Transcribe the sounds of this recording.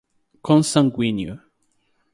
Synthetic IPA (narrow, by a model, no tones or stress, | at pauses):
kʰɔ̃nsãŋɡwinjo̰